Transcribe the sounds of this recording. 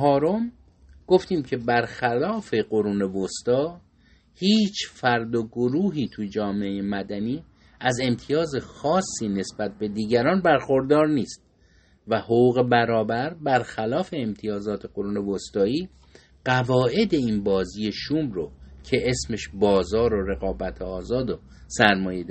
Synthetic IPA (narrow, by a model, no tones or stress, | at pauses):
ɦɒːɾom | ɡ̥o̞ft̪iːmcʰe̞bæɾxælɒːfe̞ɢo̞ɾuːne̞vost̪ɒː | hiːt͡ʃʰfæɾd̪oɡoɾuːɦiːt̪ʰujd͡ʒɒːmeejemæd̪æniː | æze̞mt̪ʰijɒːze̞xɒːsːiːne̞sbæt̪̚ʰbe̞d̪iːɟæɾɒːnbæɾxo̞ɾd̪ɒːɾniːst̪̚ | væhoɣuːɣe̞bæɾɒːbæɾbæɾxælɒːfe̞ːmt̪ʰijɒːzɒːt̪ʰeɡo̞ɾuːne̞vost̪ɒːiː | ɢ̥ævɒːʔe̞d̪e̞iːnbɒːziːje̞ʃuːmɾocʰe̞ʔesme̞ʃbɒːzɒːɾoɾe̞ɣɒːbæt̪ʰeɒːzɒːd̪o | sæɾmɒːjed̪